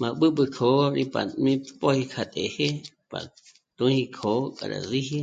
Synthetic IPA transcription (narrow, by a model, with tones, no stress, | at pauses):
mã˨ɓɨ˦ɓɨ˧kʰo˨˦ɾi˧pa˨mĩ˦pʼo˦hi˧kʰa˧t̪ʼe˨he˦pa̰˨ | t̪ũ˦hi˧kʰo˨˦kʼa˨ɾa̰˨zi˦hi˦